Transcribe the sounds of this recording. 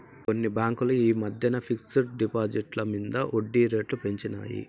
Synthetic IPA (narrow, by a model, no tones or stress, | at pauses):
ko̞nːibaːŋkuluiːmɐd̪ʱjɐnɐpʰiksɐɾɖipaːd͡ʒiʈlɐmind̪ɐʔoɖːiːɾe̞ːʈlupe̞ɲt͡ʃina̰ːjḭ